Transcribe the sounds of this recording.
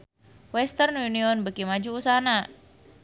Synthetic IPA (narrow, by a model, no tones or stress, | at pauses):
wɛst̪ərnuniɔnbəkimad͡ʒuːsaɦana